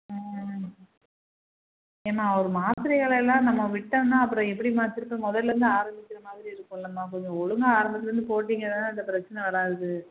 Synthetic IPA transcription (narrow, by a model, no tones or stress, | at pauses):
eːmaːɾɯmaːt̪ɪɾɐɣɐɭɛlːãːnɐmːɐʋɪʈːɐnãːɐpːɯɾɔ̃ɛpːɐɽimaːt̪ːɪɾɯpːemɔðɐlːɐɾɯnd̪ɯaːɾɐmbɪkʲːɪɾɐmaːðɪɾiɪɾɯkːɔ̃lːɐmːaːkɔɲd͡ʒɐ̃ɔɻɯŋɡɐaːɾɐmbɐt̪ːɪɾɯnd̪ɯpoːʈːiːŋɡɐðãːɐnd̪ɐpɪɾɐt͡ʃːɐnɐʋɐɾaːɾɯðɯ